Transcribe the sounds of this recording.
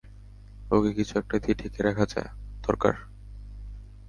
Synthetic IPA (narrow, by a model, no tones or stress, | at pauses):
okekit͡ɕʰuɛk̚ʈad̪ʰʱiʈʰikeɾɛkʰad͡ʑa̰ed̪̥ɔɾka̰ɾ